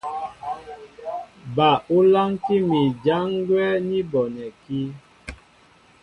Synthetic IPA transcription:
ba˨u˦la˦ŋti˦mi˨d͡ʒa˦ŋ˦ɡwɛ˦ni˦bɔ˨nɛ˨ki˦

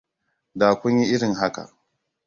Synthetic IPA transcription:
daː˨kʷʊ˦ɲji˦ʔɪ˦ɽɪ˨ŋɦa˦ka̰˨

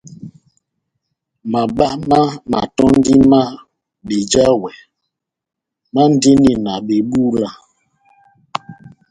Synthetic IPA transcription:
ma˨ɓa˦ma˦ma˨tɔ˦n˦di˦ma˦ | ɓe˨d͡ʒa˦wɛ˨ | ma˦n˦de˦ni˨na˨ɓe˨ɓu˦la˦

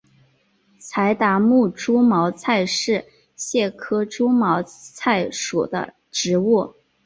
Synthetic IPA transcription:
t͡sʰa˧˥ɪt̪a˧˥mu˥˩ʈ͡ʂu˥mɑ˧˥ʊt͡sʰa˥˧ɪʂɻ̩˥˧ | ɕjɛ˥˩kʰɤ˥ʈ͡ʂu˥mɑ˧˥ʊt͡sʰa˥˩ɪʂṵ˨˩d̪ə̰˦ | ʈ͡ʂɻ̩˧˥wu˥˩

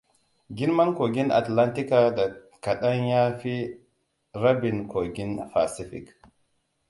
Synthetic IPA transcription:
ɡi˦nma˦nko˨ɡi˦na̰˨tla˦nti˦kada˨ | ka˨ɗanjaː˦fi | ɾabinkʰo˨ɡi˦nfasifḭk

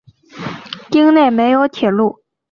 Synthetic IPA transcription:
t̪i˥ŋne˥˩ɪme˧˥ɪjo˧˥ʊt̪ʰjɛ˨˩lu˥˩

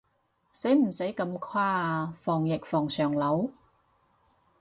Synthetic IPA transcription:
se˨˥jm̩˨˩se˨˥jkɐ˧mkʰwaː˥fɔː˨˩ŋjɪ˨k̚fɔː˨˩ŋsœː˨˩ŋlɐ˨˥w

